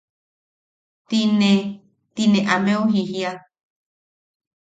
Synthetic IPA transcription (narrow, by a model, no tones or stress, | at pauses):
t̪ine | t̪inẽʔamẽõɦiɦia